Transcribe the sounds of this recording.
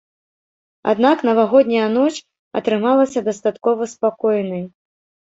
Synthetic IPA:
a̰d̪naknɐvaɣɔd̪ʲnʲɐjɐnɔt͡ʂ | ɐ̰t̪ɾɨmalˠɐsʲɐd̪ɐst̪at̪kɔvɐspakɔjnɐj

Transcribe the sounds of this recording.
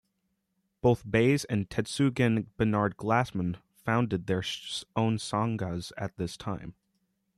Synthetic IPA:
b̥oʊθbeɪzɨ̃ntʰɛtsʉɡɨ̃nb̥ənɑɹd̚ɡlæsmə̃n | fãʊ̃ndɨd̪̚ðə˞õʊ̃nsɑ̃ŋɡəzɨ̰t̪̚ðɪstʰãɪ̃m

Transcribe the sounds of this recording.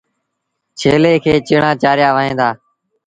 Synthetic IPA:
t͡ʃʰeːleːkʰeːt͡ʃɪɳãːt͡ʃaːɾɪjaːʋəɦẽːd̪aː

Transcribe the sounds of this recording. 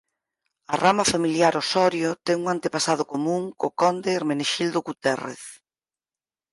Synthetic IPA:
ɐramɐfamiljaɾosɔɾjʊt̪ɛŋuŋant̪epasað̞ʊkomũŋkokɔnd̪eɾmeneʃild̪ʊɣut̪ɛrḛθ

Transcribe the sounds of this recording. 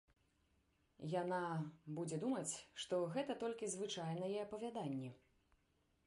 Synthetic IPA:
janabud͡zʲɛd̪umɐt͡sʲʂt̪ɔɣɛt̪ɐt̪ɔlʲkʲizvɨt͡ʂajnɐjɛɐpɐvʲad̪anʲːɛ

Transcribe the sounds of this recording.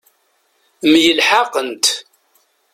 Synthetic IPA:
mjəlħaqənt̪

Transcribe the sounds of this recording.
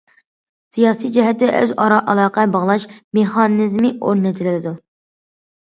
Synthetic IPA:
sijɑːsijd͡ʒɛɦɛt̪ːɛʔø̰zɑɾɑʔɑlˠɑːqɛbɑʁlˠɑʃmeχɑnɨzmiʔo̰ɾnɪt̪ʰɪlɪlɪd̪u

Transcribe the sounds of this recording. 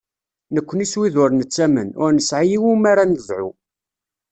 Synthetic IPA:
nəkʷːəniswiðʊɾnət͡sːæmənʊ̰ɾnəsʕijiwumaɾanəðˤʕṵ

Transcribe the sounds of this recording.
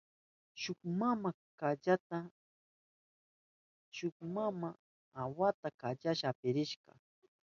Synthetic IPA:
ʃʊkmama | kaʎat̪a | ʃʊkmama | awat̪akaʎaʃaːpɪɾɪʃɢɑ̰

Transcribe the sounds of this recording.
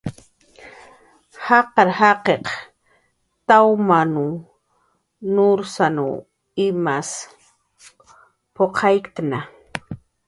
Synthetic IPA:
hɑqɑɾhɑqeq | t̪awmanu | nʊɾsanṵ | ɪmas | poqʰɑjkt̪na

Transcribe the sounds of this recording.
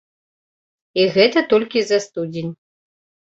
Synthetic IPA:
iɣɛt̪ɐt̪ɔlʲkʲizɐst̪ud͡zʲenʲ

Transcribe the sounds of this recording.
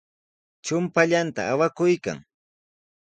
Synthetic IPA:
t͡ʃʊmpaʎant̪a̰ːwakʊjka̰ŋ

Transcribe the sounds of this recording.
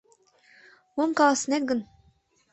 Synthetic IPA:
wumkɑlˠɑsə̆net̪̚ɡə̆n

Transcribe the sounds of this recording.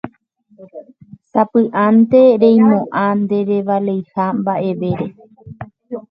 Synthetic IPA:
sapɨʔant̪e̞ɾẽj̃mõʔãnd̪e̞ɾe̞ʋalejhambaʔe̞ʋe̞ɾe̞

